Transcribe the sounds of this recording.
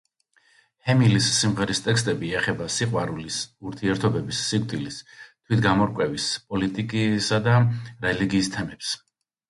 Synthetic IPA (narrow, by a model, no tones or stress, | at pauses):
hɛmilisːimʁɛɾist̪ʼɛkst̪ʼɛbiɛχɛbasiqʼwaɾulisuɾt̪ʰiɛɾt̪ʰɔbɛbisːik̚ʼd̪ʼilist̪ʰwit̪ʰɡamɔɾkʼwɛvispʼɔlit̪ʼikʼisad̪aɾɛliɡiːst̪ʰɛmɛps